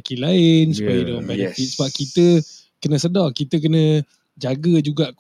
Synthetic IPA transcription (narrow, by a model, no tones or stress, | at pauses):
kilaɪnsupajədalambajət̪iʔ̚səbap̚kit̪ə | kənə̃sədɔkit̪ək̬ənə̃ | d͡ʒaɡəd͡ʒuɡaʔ